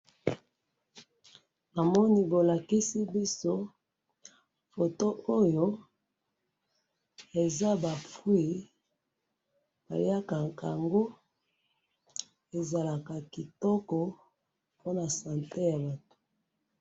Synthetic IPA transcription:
a˨mɔ˦ni˦bo˨la˨ki˦si˦bi˦so˦ | fo˨to˦ʔo˦jo˦ | e˨za˦ba˨fwi˦˨ | ba̰˨li˦a˦ka˨ka˨a˨ŋɡo˦ | e˨za˨la˨ka˨ki˨tɔ˦kɔ˨ | po˦na˨sa˨nte˦ja˨ba˨tu̥˨

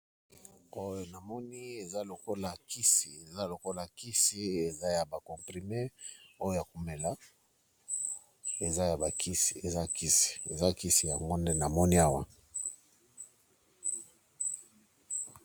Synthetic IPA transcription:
o˦jo˨na˨mɔ˦ni˦e˨za˦lo˨ko˦la˨ki˦si˨e˨za˦lo˨ko˦la˨ki˦si˦e˨za˦ja˨ba˨kɔ˨mpʁi˨me˦o˦jo˦ja˨ku˨me˨la˦ | e˨za˦ja˨ba˨kʰi˦si˨e˨za˦ki˦si̥˨e˨za˦ki˦si˨ja˨ŋɡo˦nde˦na˨mɔ˦ni˦a˦wa̰˦

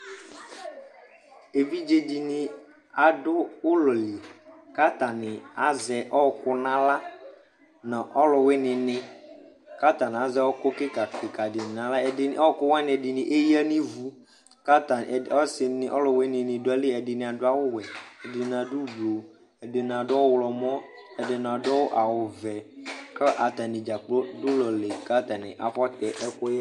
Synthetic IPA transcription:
e˨vi˦d͡ʒe˦d͡ʒi˨nɪ˨ | a˨dʊ˦ʊ˦lɔ˨li˨ka˦ta˨nɪ˨a˦zɛ˨ʔɔ˦kʊ˦nã˦la˦ | nã˨ʔɔ˦lʊ˨wɪ˦nɪ̃˨nɪ˦ | ka˦ta˨n˨a˨zɛ˦ɔ˦kʊ˦kɪ˦ka˨kɪ˨ka˨dɪ˨nɪ˨nã˨la˦ɛ˨ɪ˦n˦ɔ˦kʊ˦wa˦nɪ˨ɛ˨dɪ˨nɪ˨ʔe˦ji˦a˦nɪ˦vu˨ | ka˦t̪a˨ɔ˦sɪ˨nɪ˨ʔɔ̰˦lɔ˨we˦nɪ̃˨nɪ̃˨dʊ˦a˦li˦ɛ˨dɪ˨nɪ̃˨a˨dʊ˦a˦wʊ˦wɛ˨ɛ˨dɪ˨nã˨du˦blo˨ | ɛ˨dɪ˨nã˨ɖɔ˦wlɔ˨mɔ̃˦ | ɛ˨dɪ˨nã˨dɔ˦wo˦ʔa˨wʊ˨vɛ˨klɛ˦ʔa˨t̪a˨nɪ̃˨d͡ʒa˨k͡plo˦dʊ˦lɔ˨le˨ka˦t̪a˨nɪ̰˨ʔa˨ɸɔ˦t̪ɛ˨ʔɛ˦kʊ˦jɛ˦

